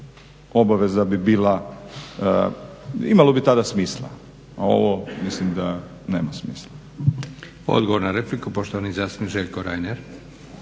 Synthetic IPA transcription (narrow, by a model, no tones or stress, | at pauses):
o̞baʋe̞zabibiːlˠa | imalo̞bit̪ad̪asmiːslˠa̰ | ao̞̰ʋomislimd̪a | neːmasmiːslˠa | o̰d̪ɡoʋoɾnaɾeplikupoʃt̪ooniizjasiniʒeʎʲkoɾajneɾ